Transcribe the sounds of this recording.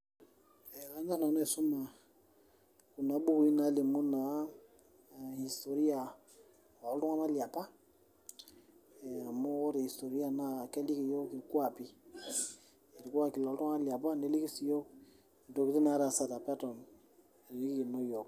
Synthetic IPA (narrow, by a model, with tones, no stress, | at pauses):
e˨ka˦na˦na˨nɔ˦ɛ˨su˦ma˨ | ku˨na˨˦bu˦ku˨˦i˦na˨˦li˨mu˦na˨ | hi˨sto˨ɾi˦a˨ | ɔ˨ltu˦ŋa˦ma˦li˨a˨pa˦˨ | a˨mu˦wɔ˦ɾi˨hi˨sto˨ɾi˦a˨na˦˨kɛ˦li˦ki˨jo˦ki˨ɾku˦a˨pi˦ | i˨ɾku˦a˦ki˨lɔ˨ltu˦ŋa˦ma˦li˨a˨pa˦˨ne˦li˦ki˦si˨jo˦˨ | do˨ki˦ti˦na˨˦ɾa˨sa˨ta˨pa˦tɔ˨m˨ | ɾli˦ki˦ki˨no˦jo˨